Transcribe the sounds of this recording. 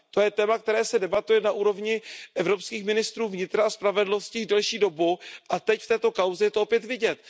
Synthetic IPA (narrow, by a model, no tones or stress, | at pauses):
t̪o̞jɛt̪ɛːmak̚t̪ɛɾɛːsɛdɛbat̪ujɛnaʔuːɾo̞vɲɪʔɛvɾo̞pskiːxmɪnɪst̪ɾuːvɲɪt̪ɾaaspɾavɛdlno̞scɪdɛlʃiːdo̞buʔat̪ɛcft̪ɛːt̪o̞kawzɛjɛt̪oopjɛt̪vɪɟɛt̪